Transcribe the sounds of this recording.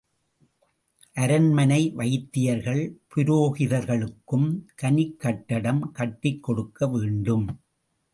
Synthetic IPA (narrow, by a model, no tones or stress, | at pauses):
ʔɐɾɐnmɐnɐɪʋɐɪt̪ːɪjɐɾɣɐɭpʊɾoːɣɪðɐɾɣɐɭɯkːɯmkɐnɪkːɐʈːɐɽɐmkɐʈːɪkːɔɽɯkːɐʋeːɳɖɯm